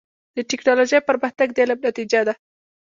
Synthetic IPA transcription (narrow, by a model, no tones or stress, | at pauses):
d̪̥əʈɪknɑloʒəjpəɾməxt̪aɡd̪elanat̪id͡ʒad̪a